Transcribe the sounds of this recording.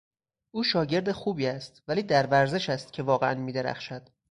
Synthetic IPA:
ʔuːʃɒːɟe̞ɾd̪e̞xuːbiːæst̪væliːd̪æɾvæɾze̞ʃæst̪cʰe̞vɒːɣeænmiːd̪e̞ɾæ̰xʃæd̪̥

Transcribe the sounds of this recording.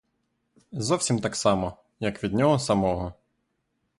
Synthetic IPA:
zɔwsʲimt̪ɑksɑmɔ | jɐkʋʲid̪̚nʲɔɦɔsɐmɔɦɔ

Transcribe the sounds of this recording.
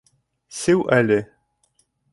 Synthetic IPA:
sɘwʔælɘ

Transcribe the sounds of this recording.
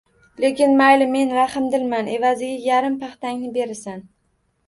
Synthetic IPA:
le̞kʲɪnmajlɪme̞nɾahɪmd̪ɪlmane̞vazɪɡʲajaɾɪmpʰaχt̪aŋnɪbe̞ɾɪsan

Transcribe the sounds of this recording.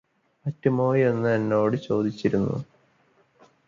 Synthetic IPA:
ɐtːumo̞ːjienːɨɐnːo̞ːɽɨt͡ɕo̞ːd̪it͡ɕːiɾunːṵ

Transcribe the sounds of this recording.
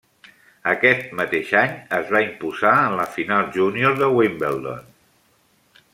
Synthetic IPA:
əkɛt̪̚mət̪eʃaɲəzβaimpuzaənləfinalˠʒunioɾðəwimbelˠd̪o̰n

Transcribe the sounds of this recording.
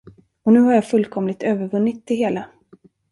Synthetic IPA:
ɔnʉ̟ːhaɾjaːfɵlkʰɔmlɪɡt̪ʰøːvəɾvɵnːɪt̪̚ʰːɪɦeːla

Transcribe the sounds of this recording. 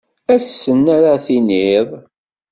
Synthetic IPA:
æsːənːæɾaθiniðˤ

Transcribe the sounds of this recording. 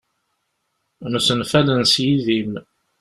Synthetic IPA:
nusənfælənsjiðim

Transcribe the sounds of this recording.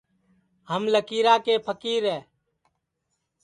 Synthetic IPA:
ɦəmləkiːɾaːkeːpʰəkiːɾɛː

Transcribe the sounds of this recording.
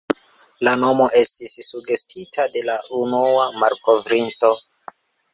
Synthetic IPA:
lano̞mo̞ʔe̞stisːuɡe̞stʰitʰade̞laʔunuamaɾko̞vɾinto̞

